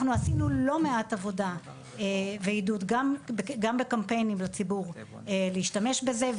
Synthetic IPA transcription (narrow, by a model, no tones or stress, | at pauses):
χnuasinulo̞me̞atavo̞da | eveidutɡambɡambekampe̞jnimlat͡sibuʁ | eleiʃtame̞ʃbeze